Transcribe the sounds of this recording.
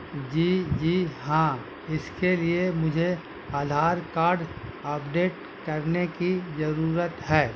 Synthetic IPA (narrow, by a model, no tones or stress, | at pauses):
d͡ʒiːd͡ʒiːɦãː | ɪskeliemʊd͡ʒʱe | aːd̪ʱaːɾkaːɾɖɐpɖeːʈ̚ | kɐɾnekizɐɾuːɾət̪ɦɛː